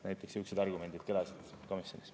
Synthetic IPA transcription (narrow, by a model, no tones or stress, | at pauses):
næjt̪ːˑeksyksid̪ɑrɡume̞nd̪̥id̪̥kelɑsid̪̥ | ko̞misjonis